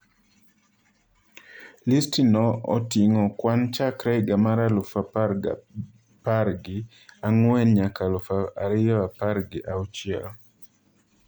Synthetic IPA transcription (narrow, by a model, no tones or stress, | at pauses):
listinɔɔ̰tiŋɔkwant͡ʃakɾɛɡamaɾalʊfap | paɾɡɪ | aŋwɛnɲakalʊfaaɾɪjɔapaɾɡɪʔaɔt͡ʃjal